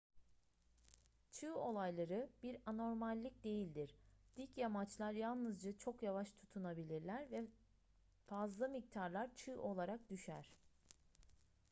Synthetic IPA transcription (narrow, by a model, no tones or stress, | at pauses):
t͡ʃʰɯːo̞lˠajlˠaɾɯbiɾano̞ɾmalʲːic̚d̪e̞jilʲd̪iɾ̥d̪̥icjamat͡ʃlˠaɾjalˠnɯzd͡ʒat͡ʃʰo̞kjavaʃt̪ʰu̥t̪ʰunabilʲiɾlʲæɾvɛ | fazlˠamic̚t̪ʰaɾlˠaɾt͡ʃʰɯːʔo̞lˠaɾak̚d̪yʃæ̰ɾ̥